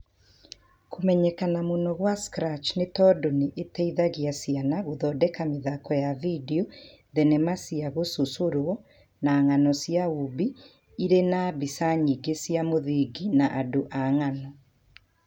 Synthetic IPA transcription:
komɛɲɛkanamonɔɣwaskɾat͡ʃnetɔdoneʔetɛiðaɣiasianaɣoðɔːdɛkameðakɔjavideo | ðɛnɛmasiaɣososoɾwɔ | naŋanɔsjaubi | iɾenabisaɲiɡesiamoðiɡinaʔadoʔaŋanɔ

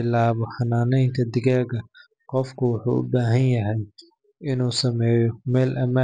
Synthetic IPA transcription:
ɪlaːβɔħɑnaːnɛjnt̪ʰɐd̪ɪɣaːɣɐ | qɔfkʰʊwʊħṵːʔʊ̰baːɦɐnjɐɦɛj | ʔɪnuːsɐmɛːjɔmɛːlʔɐma

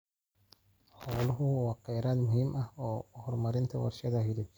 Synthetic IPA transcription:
ħɔːlʊɦʊwɑːqɛjɾaːd̪mʊɦiːmʔɐhɔːhɔrmɐɾɪnt̪ʰɐwɐ̰rʃɐðɐɦɪlɪb

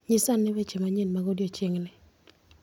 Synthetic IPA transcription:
ɲɪsanːɪbet͡ʃemaɲɪnmaɡodjot͡ʃeŋnɪ

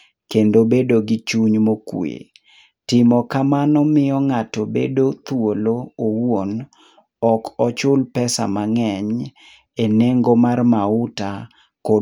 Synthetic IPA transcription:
kendobedoɡɪt͡ʃuɲmokwḛ | tɪmɔkamanɔmɪɔŋatɔbḛdot̪woloowwon | ɔkɔt͡ʃʊlpɛsa̰maŋɛɲ | eneŋɡomarmaʊta | ko

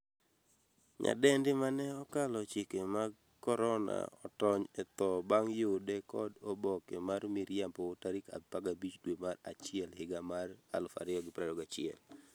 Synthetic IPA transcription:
ɲa̰dɛndɪmanɛɔkalɔt͡ʃɪkemaɡ | kɔɾɔna̰ɔtɔɲɛt̪ɔbaŋjʊdɛkɔdɔbɔkɛmarmiɾjampɔtaɾɪka̰paɡabit͡ʃdwemara̰t͡ʃɪɛlhɪɡamara̰lfa̰ɾɪɔɡɪpɾadɔɡat͡ʃɪɛ̰l

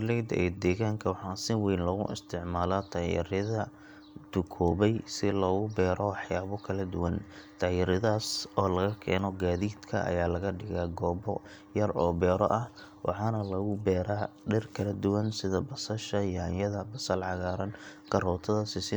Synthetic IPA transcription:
lɛd̪ɛ̰ːd̪ɛːɣaːŋkʰɐwɑħɑːsɪwiːnlɔɣʊ̰ʔɪ̰st̪ʰɪʕmaːlat̪ʰaːjɪ̰ɾɪðɐ | t̪ʊkʰɔːβɛjsɪlɔːɣʊbɛːɾɔwɑħjaːβʊkʰɐlɐd̪ʊwɐnt̪ʰaːjɪɾɪðaːsɔːlɐɣɐkʰɛ̰ːnɔɡaːðiːd̪kʰɐ̰ʔɐ̰jaːlɐɣɐɖɪɣaɡɔːbɔ̰ | jɐrɔːbɛːɾɔ̰ʔɐh | wʔɑ̰ħɑːnɐlɐɣʊbɛːɾaː | ɖɪrkʰɐlɐd̪ʊwɐnsɪðɐbɐsɐʃɐjɐnjɐðɐbɐsɐlʕɑɣaːɾɐnkʰɐrɔːt̪ʰɐðɐsɪsɪ

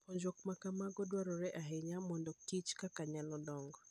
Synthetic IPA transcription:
pɔɲd͡ʒwɔkmakamaɡɔdwaɾɔɾɛʔaɦeɲamɔndɔtit͡ʃkakaɲalɔdɔŋɡɔ

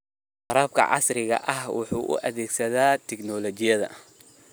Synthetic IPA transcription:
qɑɾaːb̚kʰɐ̰ʕɑ̰srɪɣɐ̰ʔɐhwʊ̰ħṵːʔʊ̰ʔɐðɛːɡsɐðaːt̪ʰɛɡnɔːlɔt͡ʃɪjɐðɐ̰

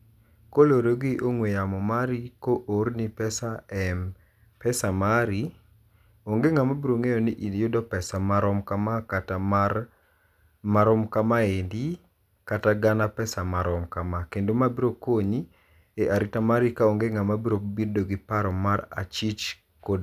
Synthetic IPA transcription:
koloɾoɡiʔoŋwejamɔmaɾikoʔoɾnipɛsaɛm | pɛsamaɾi | oŋɡeŋamabiɾoŋejoniʔijʊdɔpɛsamaɾɔmkamakata | maɾɔmkamaendi | kataɡanapɛsamaɾɔmkamakendomabiɾokoɲi | eʔaɾitamaɾikaoŋɡeŋamabiɾobirdoɡipaɾɔmːaɾa̰t͡ʃit͡ʃ | kod

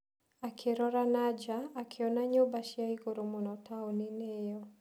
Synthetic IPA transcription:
akʰiɾɔɾanad͡ʒaːkʰiɔnaɲɔbaʃiaikɔɾumunɔtaɔninɛjɔ

